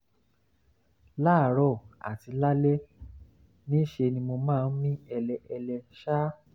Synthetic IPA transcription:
la˦˨ɾɔ˦˨a̰˨ti˧la˦lɛ˦ | nĩ˦ʃe˧nĩ˧mo˧mãː˦˨n̩˦mĩ˦ɛ˧lɛ˧ʔɛ˧lɛ˧ʃa˦

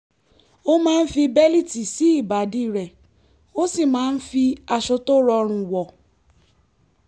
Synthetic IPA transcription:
o˦mãː˦˧n̩˦fi˧bɛ˦li˦ti˨si˨˦i˦˨ba˨˦di˦˨ɾɛ˨ | o˦si˦˨mãː˦n̩˦fi˧a˧ʃo˧to˦ɾɔ˧ɾ̃ũ˧wɔ˨

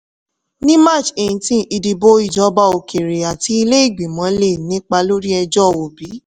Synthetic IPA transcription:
nĩ˦ma˦˨t͡ʃẽ˨ĩ˨tĩ˦ʔi˧di˧bo˦i˦˨d͡ʒɔ˨˦ba˧˦o˨kʰe˨ɾe˨a˨ti˧˦i˧le˦i˦˨ɡ͡bi˨mɔ̃˨˦le˦˨nĩ˦k͡pa˧lo˦ɾi˦ɛ˧d͡ʒɔ˦o˨bi˨˦

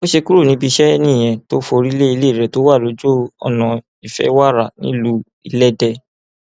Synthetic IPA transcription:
o˦ʃe˧ku˦ɾu˦˨nĩ˧˦bi˧ʃɛ˦nĩ˦˨j̃ɛ̃˧to˦fo˧ɾi˦le˦i˧le˦˨ɾɛ˨to˨˦wa˦˨lo˨˦d͡ʒo˦ɔ̰˨nã˨ | i˨fɛ̰˦wa˦˨ɾa˦˨nḭ̃˦lu˧˦ | i˧˨lɛ˦dɛ˧

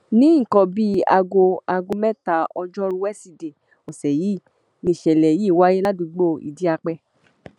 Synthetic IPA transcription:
nĩ˨˦ŋ̩˨kɔ̃˧bi˦a̰˧ɡo˧a˧ɡo˧mɛ˦ta˨ɔ˧d͡ʒɔ˦ɾu˦wɛ˦si˧de˨ | o˨sɛ˨ji˨˦˨ | ni˨ʃɛ˨lɛ˨ji˨˦˨wa˦je˦la˦dũ˧ɡ͡bo˦˨ḭ˨di˦a˧k͡pɛ˧

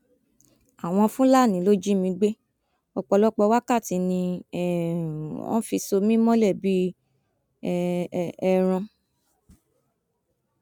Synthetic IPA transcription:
a˨w̃ɔ̃˧fũ˦la˦˨nĩ˨˦lo˦d͡ʒi˦mĩ˧ɡ͡be˦ | ɔ˧k͡pɔ˧lɔ˦k͡pɔ˧wa˦ka˦˨ti˨˧˦nĩ˧ɛ˦˨ | ɔ̰̃˦fi˧so˧mĩ˦mɔ̃˦lɛ˦˨bi˦˧ | ɛ˧ɾ̃ɔ̃˧

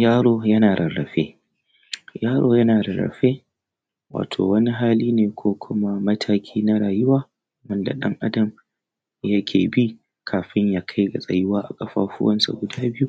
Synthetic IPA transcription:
jaː˦ɽoː˦jɐ˦naː˨ɽʔɐ˨ɾːɐ̰˨ɸeː˦ | jaː˦ɾo̰ː˦jɐ˦naː˨ɾɐ˨ɾɐ̰˨ɸeː˦ | wa̰ː˨tʰo̰ː˨wɐ˦ni˦ɦaː˦liː˦neː˨kʷoː˦kʷʰʊ˦ma˦mɐ˦tʰaː˦kʲʰiː˦na˦ɾaː˨jʊ˦waː˦˨ | wɐ˦nda̰˨ɗɐ̰˦ŋʔa˦dɐ˨m | jɐ˦kʲʰeː˨bi˦ | kʰaː˨ɸɪ˦ɲjaː˦kʰa˦jɡa˨sʼɐ̰˨jɪ˦waː˦ʔa̰˨kʼɐ˦ɸa̰ː˦ɸʊ˦wɐ̰˦nsa̰˨ɡʷʊ˨daː˦bɪ˦ju˦

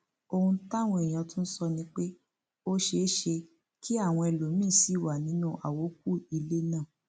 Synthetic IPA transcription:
o˧hũ˧˦ta˦˨w̃ɔ̃˧e˨j̃ã˨˧tũ˦n̩˦sɔ˧nĩ˧˦k͡pe˦ | o˦ʃe˧˦ʃe˧ | kʰi˦a˦˨w̃ɔ̃˧ɛ˨lo˨mĩː˦˨si˨˦˨wa˨nĩ˨˦nũ˦ʔa̰˨wo˨˦k̚u˦˨i˧le˦nã˦˨

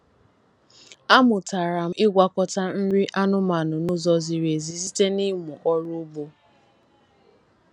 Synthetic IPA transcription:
a˦mʊ˨ta˨ɾa˨m̩˦ɪ˦ɡʷa˨kɔ˦ta˦n̩˦ɾi˦ʔa˦nʊ˦ma˨nʊ˨nʊ˦zɔ˨zi˨ɾe˨zi˨zi˦te˦ni˦mu˨ʔɔ˦ɾʊ˦bo˦

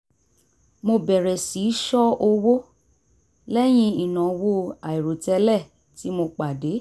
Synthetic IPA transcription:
mo˧bɛ˨ɾɛ˨si˨˦ʃɔ˦o˧wo˦ | lɛ˦j̃ĩ˧i˨nã˨wo˦a˨i˨ɾo˨tɛ˧lɛ˦˨ | ti˨˦mo˧k͡pa˨de˨˦

